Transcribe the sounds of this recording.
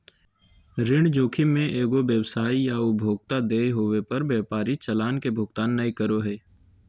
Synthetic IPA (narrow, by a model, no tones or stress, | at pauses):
ɾɪ̃ɳd͡ʒoːkʰimẽʔeːɡobjəwsaːijaʊbʱoːɡ̚t̪ad̪eːɦoːwepəɾbjɛːpaːɾit͡ʃəlaːnkebʱʊɡt̪aːnːəikəɾoɦɛː